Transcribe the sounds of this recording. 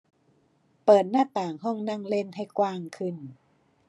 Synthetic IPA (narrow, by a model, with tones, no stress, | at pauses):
pɤː˨˩t̪̚naː˥˩t̪aː˨˩ŋɦɔ˥˩ŋna˥˩ŋle˥˩˨nha˥˩jkwaː˧˩ŋkʰɯ˧˩n